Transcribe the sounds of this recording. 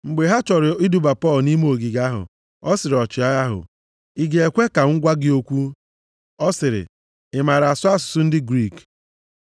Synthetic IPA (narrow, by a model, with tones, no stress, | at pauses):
ŋ͡m̩˨ɡ͡be˨ɦa˦t͡ʃɔ˨ɾɪ˨i˦du˨ba˨pɔ˦˨lni˦m˦o˨ɡi˨ɡa˦ɦʊ̰˨ | ɔ˦sɪ˨ɾɪ˨ɔ˨t͡ʃɪ˨a˦a˦ɦʊ̰˨ | i˦ɡe˨e˨kʷe˦ka˨ŋ̩˦ɡʷa˦ɡɪ˦o˦kʷu˦ | ɔ˦sɪ˨ɾɪ̰˨ | ɪ˨ma˨ɾa˨sʊ˦a˦sʊ̥˨sʊ˦n̩˦dɪ˦ɡɾi˦˨k